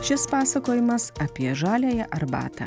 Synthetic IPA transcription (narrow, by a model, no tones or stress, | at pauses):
ʃʲɪspɑːsɐkoːjɪmɐsɐpʲiɛʒɑːlʲɛːjɛʔɐɾbɑ̰ːt̪ɑ̰ː